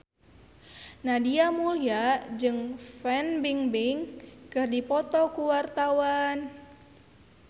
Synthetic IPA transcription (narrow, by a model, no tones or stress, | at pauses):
nadiamuliad͡ʒɨŋfɛnbiŋbiŋkɨrdipɔt̪ɔkuwart̪awan